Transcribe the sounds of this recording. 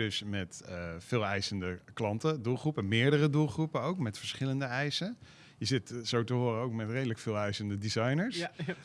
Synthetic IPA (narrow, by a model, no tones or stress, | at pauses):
ɵsmɛtfɪːlˠɛjsəndəklɑntədulˠχrupəmɪːɹdərədulˠχrupəowkmɛtfəɹsχɪləndəɛjsə | jəzɪtsowtəɦʊːrəowkmɛtrejdələkfɪːlˠɛjsəndədizɑjnəɹs